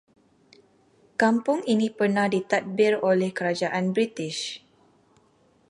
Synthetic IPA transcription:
kampʊŋinĩpərnahdit̪at̪̚bɪɾolɛhkəɾad͡ʒaʔanbɾit̪ɪʃ

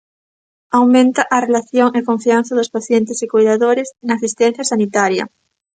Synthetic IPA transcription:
awmẽnt̪aʔarelaθjoŋekoɱfianθaðospaθjent̪esikujðaðoɾeznaːs̬ist̪ẽn̟θjasanit̪aɾjɐ̰

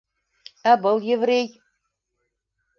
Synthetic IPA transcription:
æbəlˠjevɾej

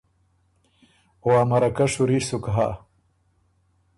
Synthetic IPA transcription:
oamɐɾɐkaʂuɾisukaɦa

